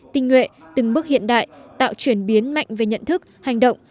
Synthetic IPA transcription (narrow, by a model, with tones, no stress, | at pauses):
t̪ï˧ŋ̟ŋwḛ˧˨t̪ɨ˨˩ŋɓɨ˦˥ək̚hḭ˧˨ənɗa̰ː˧˨jt̪a̰ː˧˨wt͡ɕwi˧˩ənɓi˨˦ənma̰˧˨jŋ̟ve˨˩ɲə̰˧˨nt̪ʰɨ˦˥k̚ha˨˩jŋ̟ɗə̰˧˨wŋ͡m